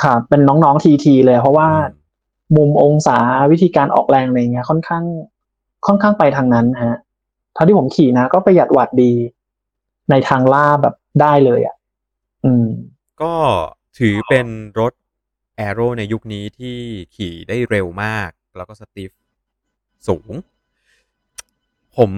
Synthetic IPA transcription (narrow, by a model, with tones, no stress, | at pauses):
kʰaː˥˩e˧nːɔː˦˥ŋnɔː˦˥ŋt̪ʰiː˧t̪ʰiː˧lɤː˧ja˨˩pʰɾɔ˦˥waː˥˩ | mu˧mʔo˧ŋsaː˩˦wi˦˥t̪ʰiː˧kaː˧nʔɔ̰ː˨˩k̚lɛː˧ŋla˧ja˨˩ŋːi˦˥ɐkʰɔ˥˩nkʰaː˥˩ŋ | kʰɔ˥˩nkʰaː˥˩ŋpa˧jt̪ʰaː˧ŋna˦˥nːa˧ɦa˦˥ | t̪ʰa˧˩t̪i˥˩pʰo˩˦mkʰiː˨˩na˦˥kɔː˥˩pa˧jːa˨˩t̪̚wa˨˩t̪̚diː˧ | na˧jt̪ʰaː˧ŋlaː˥˩bɛ̰ː˨˩p̚daː˥˩jlɤː˧jʔa̰˨˩ʔ | ʔɯː˧m | kɔː˥˩t̪ʰɯː˩˦pe˧nɾo˦˥t̪̚ | ʔɛː˧ɾoː˥˩na˧jːu˦˥k̚niː˦˥t̪ʰiː˥˩kʰiː˨˩˦daː˥˩jɾe˧wmaː˥˩k̚lɛː˦˥wkɔː˥˩sa˧t̪i˦˥f̚ | suː˩˦ŋ | pʰo˨˩˦m